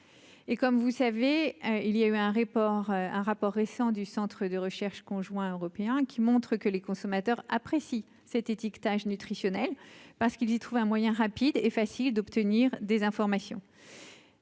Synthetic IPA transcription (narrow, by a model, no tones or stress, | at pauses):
ekɔmvusaveøilijayɛ̃ʁepɔʁɛ̰̃ʁapɔʁːesɑ̃d̪ysɑ̃t̪χəd̪əʁəʃɛʁʃkɔ̃ʒwɛ̃øʁɔpeɛ̃kʲʰimɔ̃t̪χəkəlekɔ̃sɔmat̪œʁapχesi | sɛt̪et̪ikt̪aʒnyt̪χisjɔnɛlpaʁsə̥kilzit̪χuvɛ̃mwajɛ̃ʁapid̪efasild̪ɔpt̪əniʁd̪ezɛ̃fɔʁmasjɔ̰̃